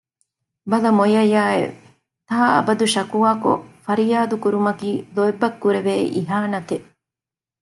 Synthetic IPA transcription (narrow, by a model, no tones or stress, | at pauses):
bɐlɐmojɐjaːḛ | t̪aːɐ̰bɐd̪uʃɐkuʋaːko̰fɐɾijaːd̪ukuɾumɐkiːloebːɐkːuɾeʋeːʔiɦaːnɐt̪e